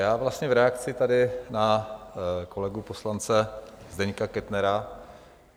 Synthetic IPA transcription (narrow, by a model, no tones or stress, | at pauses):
jaːvlast̪ɲɛvɾɛak̚t͡sɪt̪adɪna | ko̞lɛɡupo̞slant͡sɛzdɛɲkakɛt̪nɛɾa